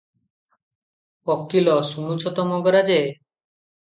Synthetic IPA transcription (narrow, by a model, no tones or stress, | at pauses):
ɔkːilɔsunut͡ʃʰɔt̪ɔmɔɡɔɾad͡ʒe